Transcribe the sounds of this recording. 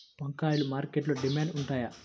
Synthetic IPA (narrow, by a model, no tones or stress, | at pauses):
pɐŋkaːjulumaːɾkeʈloɖimaːɳɖuɳʈaːja